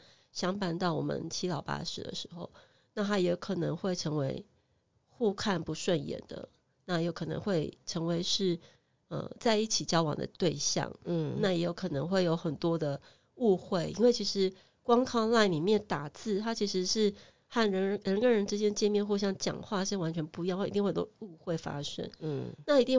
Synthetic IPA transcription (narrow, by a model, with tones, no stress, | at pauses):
ɕjɑ˥ŋpa˥˧nt̪ɑ˥˩ʊwɔ̰˨˩mʔə̰˦nt͡ɕʰi˧˥lɑ˨˩ʊpa̰˥ʂɻ̩̰˨˩d̪ə̰˨˦ʂɻ̩˧˥˦xo˧ʊ | na˥˩t̪ʰa˥jɛ˧˥kʰɤ˨˩nɤ̰˧˥ŋxwe˥˩ɪʈ͡ʂʰɤ˧˥ŋwe˧˥ɪ | xu˥˧kʰa˥˩npu˧˦˥ʂwə˥˩njɛ̰˨˩˦nd̪ə̰˦ | na˥˧jo˥˩ʊkʰɤ˨˩nɤ̰˧˥ŋxwe˥˩ɪʈ͡ʂʰɤ˧˥ŋwe˧˥ɪʂɻ̩˥˩ | ə̰˧˩t͡sa˥˧ɪi˥˩t͡ɕʰi˨˩t͡ɕjɑ˥ʊwɑ̰˨˩ŋd̪ə̰˦t̪we˥˧ɪɕjɑ̰˥˨˩ŋ̩˨na˥˩jɛ˧˥jo˧˩ʊkʰɤ˨˩nə˧˥ŋxwe˥˩ɪjo˧˥ʊxə˨˩nt̪wɔ˥d̪ə˨ | u˥˧xwe˥˩ɪʔḭ˥nwe˥˩t͡ɕʰi˧˥ʂɻ̩˧˦ | kwɑ˥ŋkʰɑ˥˧ŋla˥˩ɪni˨˩mjɛ˥˩nt̪a˨˩t͡sɹ̩˥˩t̪ʰa˥t͡ɕʰi˧˥ʂɻ̩˧˥ʂɻ̩˥˧ | xa˥˩nɻə˧˦˥ɻə˧˥nkə˥ɻə˧˥nʈ͡ʂɻ̩˥t͡ɕjɛ˥nə˧t͡ɕjɛ˥˧mjɛ˥˧nxu˥˧ɕjɑ˥˧ŋt͡ɕjɑ̰˨˩ŋxwa˥˧ʂ̩˥˩wa˧˥nt͡ɕʰɥɛ˧˥npu˧˥jŋxa˥˩i˧˥i˥˧xwt̪o̰˥˦u˥˧xwe˥˩ɪfa̰˥ʂə̰˥˩n˩na˥˩i˧˥t̪i˥˧ŋ